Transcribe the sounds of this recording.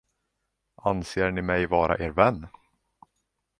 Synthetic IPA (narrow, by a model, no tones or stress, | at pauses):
ʔanseːɳɪmɛjvɑːɾʔa̰ʔeːɾvɛnː